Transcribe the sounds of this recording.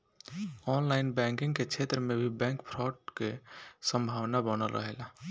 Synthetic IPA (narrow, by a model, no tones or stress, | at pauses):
ɔnlaɪnbɛ̃ŋkĩŋɡket͡ʃʰet̪ɾəmẽbʱibɛ̃ŋkpʰɾɔʈ̚kesəmbʱawnabənəlɾə̰ɦela